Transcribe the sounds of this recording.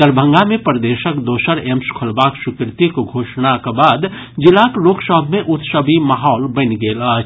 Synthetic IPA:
t̪əɾbʱə̃ŋɡamẽpəɾd̪eːʃəkd̪oːsəɾemskʰʊlbaːksʊkɾɪt̪ikɡʱoːʃnakebaːd̪ | d͡ʒɪlakloːɡsəɦbʱmẽʔʊt̪səbʱimaɦɔːlbɐnɡeːla

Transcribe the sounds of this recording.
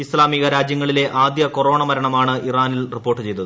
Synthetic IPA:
islaːmiɣɐɾaːd͡ʑjɐŋːɐɭile̞ʔaːd̪jɐkoro̞ːɳɐmɐɾɐɳɐmaːɳɨiraːnilripːoːʈːɨt͡ɕe̞jt̪ɐðɨ

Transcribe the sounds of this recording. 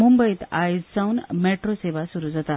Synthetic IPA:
mumbəit̪a̰jd͡zt͡sawnmeʈɾoseʋasuɾuːd͡zat̪a

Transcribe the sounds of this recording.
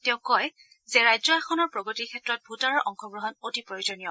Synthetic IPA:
tɛ̃ʊ̃kɔj | zeɹajzɔaxɔnɔɹpɹɔɡotikʰɛtɹɔt̚bʱutaɹɔɹʔɔŋxɔɡɹuɦɔnotipɹojuzɔnijɔ

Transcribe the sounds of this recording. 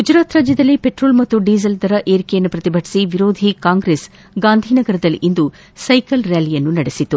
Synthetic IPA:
ɡ̥ud͡ʒɾaːt̪ɾaːd͡ʒjɐd̪ɐlːipeʈɾoːlmɐt̪ːuɖiːsɐld̪ɐɾɐʔeːɾikejɐnːupɾɐt̪ibʱɐʈi̥siʋiɾoːd̪ʱikaːŋɡɾes | ɡaːnd̪ʱiːnɐɡɐɾɐd̪ɐlːḭʔind̪u | sɐjkɐlɾalijɐnːunɐɽesit̪ːu

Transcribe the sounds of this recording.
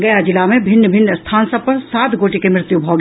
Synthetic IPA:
ɡɐjad͡ʒɪlamẽbʱɪnːəbʱɪnːəst̪ʰaːnsɐb̚pɐɾsaːt̪ɡoːʈikemɾɪt̪jubʱɐɡ

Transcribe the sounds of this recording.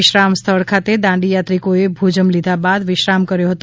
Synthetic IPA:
ɪʃɾamst̪ʰəɭkʰat̪ed̪ãɳɖijat̪ɾikoebʱud͡ʒəmlid̪ʱabad̪ʋɪʃɾamkəɾjoɦət̪

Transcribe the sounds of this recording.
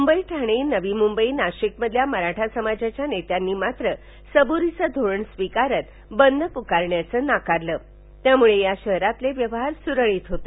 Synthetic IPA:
mumbəiʈʰaɽ̃iːnəʋimumbəinaɕikməd̪ʱjaməɾaʈʰasəmad͡ʑat͡ɕjanet̪janːiːmat̪ɾə | səbuɾit͡səd̪ʱoɭəɳsʋikaɾət̪ | bənːəpukaɾɳjat͡səːnakaɾləː | t̪jamuɭejaɕəɦɾat̪leʋjəʋɦaɾsuɾəɭiːt̪ɦot̪e

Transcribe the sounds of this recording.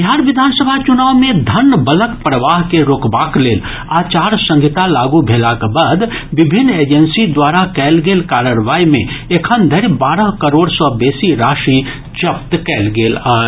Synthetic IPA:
bɦaːɾʋɪd̪ʱaːnsəbʱat͡ʃʊnaːʋmẽd̪ʱɐnːbələkpɾəʋaːɦkeɾoːkbaːkleːl | aːt͡ʃaːɾsə̃ŋɡʱɪt̪alaːɡubʱeːlakbəd̪ʋɪbʱɪnːeːd͡ʒənsid̪waːɾakɛːlɡeːlkaːɾəɾʋaːimḛ̃ekʰənd̪ʱəɾbaːɾəɦkəɾoːɽsɔːbeːsiɾaːʃi | d͡ʒəp̚t̪kɛːlɡeːla

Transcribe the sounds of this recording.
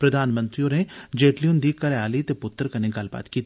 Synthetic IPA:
pɾɐd̪ʱaːnmə̃nt̪ɾiõned͡ʒeːʈlijund̪ikɐɾaːlit̪epʊt̪ːəɾkɐneɡɐlba̰ːt̪kiːt̪

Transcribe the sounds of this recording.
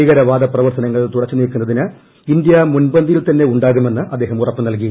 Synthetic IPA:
iːɣɐɾɐʋaːd̪ɐprɐʋɐrt̪ɐnɐŋːɐɭt̪uɽɐt͡ɕːɨniːlkːunːɐðinɨ | ind̪jɐmunbɐnd̪ijilt̪ɐnːe̞uɳɖaːɣume̞nːɨʔɐd̪ːe̞ːɦɐmurɐpːɨnɐlkij

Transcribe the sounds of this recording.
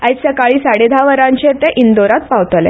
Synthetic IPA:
ajsəkaɭiːsaɽed̪ʱaʋəɾãɲt͡ɕet̪ẽʔind̪oɾat̪̚pawt̪lḛ

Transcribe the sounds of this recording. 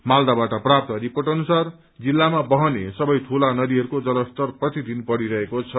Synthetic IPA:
mald̪abaʈʌprap̚t̪ʌɾipoʈʌnusar | d͡zilːamabʌɦʌnesʌbʌjt̪ʰulanʌd̪iɦʌɾukod͡zʌlʌst̪ʌrprʌt̪id̪ʱinbʌɽiɾʌɦekot͡sʰʌ

